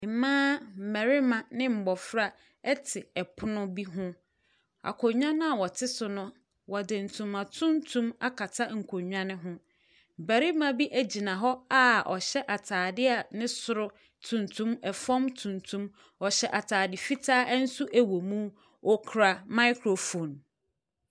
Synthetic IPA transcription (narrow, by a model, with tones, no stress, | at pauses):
mãː˦m̩˨mɛ˨ɾɪ˦mã˨nɪ̃˦m̩˨bɔ˨fɾa˦ | ɛ˦tʰɪ˨ɛ˨pʰʊ˦nʊ̃˦bi˦ɦʊ̃˦ | a̰˨kʰɔ˨ɲᶣã˦nʊ̃˦a˨wɔ˨tʰɪ˦sʊ˨nʊ̃˦ | wɔ˨dɪ̃˨n̩˨tʰũ˨mã˨tʰũ˦ntʰũ˦ma˦kʰa˨tʰa˦ŋ̩˨kʰo˨ɲᶣã˦nɪ̃˦ɦʊ̃˦ | m̩˨bæ˨ɾi˦mã˦bi˦ʔæ˦d͡ʑi˨nã˨ɦɔ˦a˦ʔɔ˨ɕɛ˦ʔa˨tʰaː˨dɪ˦a˨nɪ̃˦sʊ˨ɾʊ˦ | tʰũ˨ntʰũ˦mɛ˨fɔ̃˦mtʰũ˨ntʰũ˦m | ɔ˨ɕɛ˦ʔa˨tʰaː˨dɪ˨fi˦tʰaː˦ʔn̩˦su˦ʔæ˨wo˨mũ˦ | ɔ˦kʰɾa˨ma˦ɪ˦kʰɾo˨fõ˨n